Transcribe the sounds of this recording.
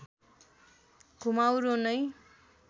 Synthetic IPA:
kʰumawɾonʌj

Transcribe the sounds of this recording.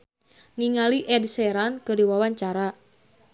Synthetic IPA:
niŋaliʔɛdsɛɾankɨrdiwawaɲt͡ʃaɾa

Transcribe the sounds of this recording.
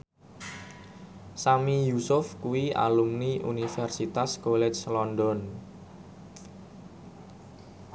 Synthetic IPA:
samijusʊfkuwia̰lumniʔṵnifɛrsit̪askolɛt͡ʃlɔndɔn

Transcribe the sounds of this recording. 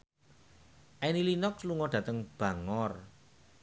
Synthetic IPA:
ʔɛnilinɔk̚sluŋɔɖ̥ä̤t̪əŋb̥a̤ŋɔr

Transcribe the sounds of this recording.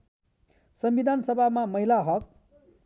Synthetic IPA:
sʌmbid̪ʱansʌbʱamamʌɦilaɦʌk

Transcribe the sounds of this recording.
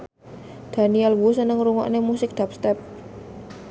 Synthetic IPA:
d̪̥a̤niɛlwusənəŋɾuŋɔ̰ʔnemusɪk̚d̪̥apst̪ɛp̚

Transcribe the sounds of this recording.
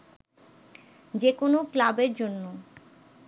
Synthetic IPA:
d͡ʑekonoklabeɾd͡ʑonːo

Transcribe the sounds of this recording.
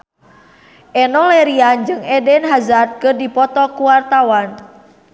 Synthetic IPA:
ʔɛnɔlɛɾiand͡ʒɨŋɛdɛnɦazat̪̚kɨrdipɔt̪ɔkuwart̪awan

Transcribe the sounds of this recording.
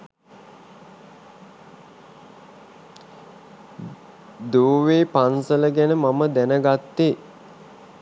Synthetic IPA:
d̪oːʋeːpansələɡænəmaməd̪ænəɡat̪ːe

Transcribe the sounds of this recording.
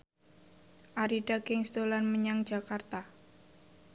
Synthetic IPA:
ʔaɾiɖakɪŋst̪olanməɲaŋd̥d͡ʒakart̪a

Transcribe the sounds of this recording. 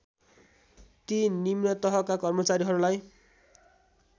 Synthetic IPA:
t̪inimnʌt̪ʌɦʌkakʌrmʌt͡saɾiɦʌɾulaj

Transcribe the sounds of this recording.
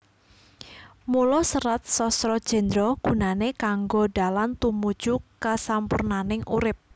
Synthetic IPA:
mulɔsəɾat̪̚sɔsɾɔd̥ʒ̥ɛ̤nd̪ɾɔɡ̥ṳnanekaŋɡoɖa̤lant̪umud̥ʒ̥ukasampṵrnanɪŋʔṵɾɪp̚

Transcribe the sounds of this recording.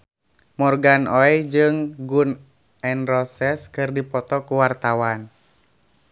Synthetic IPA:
mɔrɡanɔɛd͡ʒɨŋɡun | ɛnrɔsɛskɨrdipɔt̪ɔkuwart̪awan

